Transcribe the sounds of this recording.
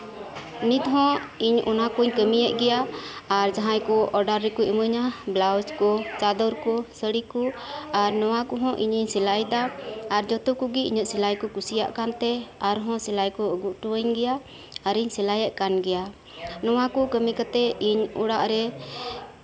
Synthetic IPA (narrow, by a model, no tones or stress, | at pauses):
nit̪ɦɔ̃iɲɔ̰nakuɲkəmijɛʔ̪̚ɡɛjaaɾd͡ʒaɦãjkɔɔɖaɾːɛkuiməɲablawd͡ʒkɔt͡ʃad̪ɔɾkɔsəɽikɔaɾnɔwakɔɦɔ̃ʔiɲiɲsilajd̪aːɾd͡ʒɔt̪ukuɡiiɲəʔ̪silajkɔkusija̰ʔkant̪ɛaɾɦɔ̃silajkɔəɡuʔʈuwəɲɡɛja | aɾiɲsɛlajɛʔkanɡɛja | nɔwakɔkəmikat̪ɛiɲṵɽaʔɾɛ